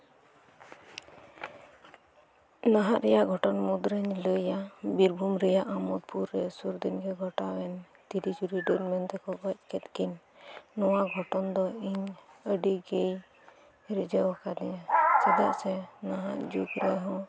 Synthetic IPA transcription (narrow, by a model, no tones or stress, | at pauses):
naɦaʔɾɛjaʔɡʱɔʈɔnmud̪ɾəɲləjabiɾbʱumɾɛjaʔamɔd̪̚pʰuɾːɛsuɾd̪inɡɛɡʱɔʈawɛn | t̪iɾid͡ʒuɾiɖəɾmɛnt̪ɛkɔbəc̚kɛt̪kiɲ | nɔwaɡʱɔʈɔnd̪ɔiɲəɖiɡej | ɾid͡ʒəwakad̪ɛjasɛd̪aʔsɛnaɦaʔd͡ʒukɾɛɦɔ̃